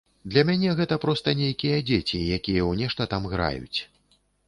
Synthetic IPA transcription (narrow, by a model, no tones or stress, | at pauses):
d̪lʲɐmʲanʲɛɣɛt̪ɐpɾɔst̪ɐnʲejkʲijɐd͡zʲet͡sʲijakʲijɛwnʲɛʂt̪ɐt̪amɣɾa̰jṵt͡sʲ